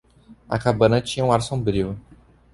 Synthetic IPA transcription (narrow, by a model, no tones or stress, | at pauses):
ɐ̰kabɐ̃nɐt͡ʃĩɲɐũaɾsõbɾiʊ